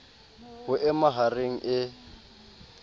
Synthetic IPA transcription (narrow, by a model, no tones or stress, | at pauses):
ɦʊʔɛmaɦareŋ̩ʔɪ